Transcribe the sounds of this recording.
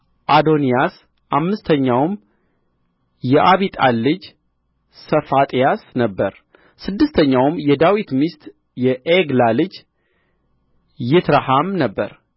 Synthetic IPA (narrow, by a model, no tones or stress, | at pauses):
ʔad̪o̞nijas | ʔamːɨst̪ʰəɲːawm | jɛʔaβit̪ʼalːɨd͡ʒ | səfat̪ʼijasnəbːəɾ | sɨd̪ːɨst̪ʰəɲːawmjɛd̪awit̪mist̪ | jɛʔeɡlalɨd͡ʒ | jɪt̪ɾahamnəbːə̰ɾ